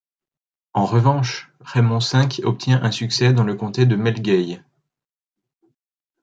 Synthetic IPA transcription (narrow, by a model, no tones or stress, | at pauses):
ɑ̃ʁəvɑ̃ʃ | ʁɛmɔ̃sɛ̃kɔp̚t̪ʰjɛ̃ʔɛ̃syksɛd̪ɑ̃ləkɔ̃t̪ed̪əmɛlɡʲɛj